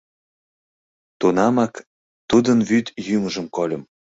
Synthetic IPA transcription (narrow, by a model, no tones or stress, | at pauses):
t̪unɑmɑk | t̪ud̪ənvyt̪jyməʒə̆mkolʲəm